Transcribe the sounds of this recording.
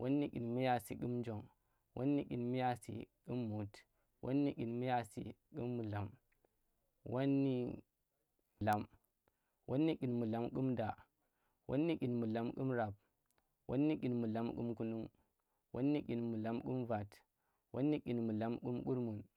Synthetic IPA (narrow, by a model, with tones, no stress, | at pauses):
wʔo˦nːi˦ki˨nmi˦ja˦˨sḭ˨ku˦md͡ʒo˨ŋ | wʔo̰˦nːi˦ki˨nm˦ja˦sḭ˨ku˦mːu˨t | wʔo̰˦nːi˦ki˨nmi˦ja˦sḭ˨ku˦mːu˨la˨m | wo˦nːi˦˨ | la˦m | wʔo˦nːi˦ki˨nmu˨la˦mku˦mda˨ | wʔo˦nːi˦ki˨nmu˨la˦mku˦mɾa˨p̚ | wo̰˦nːi˦ki˨nmu˨la˨˦mkṵ˦mku˦nu˦ŋ | wʔo̰˦nːi˦ki˨nmu˨la˨˦mku˦mva˨t | wʔa̰˦nːi˦ki˨nmu˨la˦mku˦mku˦ɾmu˨n